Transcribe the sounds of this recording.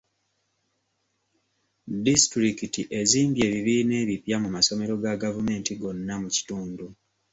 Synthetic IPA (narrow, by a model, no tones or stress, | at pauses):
distɾikitiʔe̞ziːmbje̞ːβiβiːne̞ːβipjamumaso̞me̞ɾo̞ɡaɡavume̞ːntiɡo̞nːamuci̥tuːndu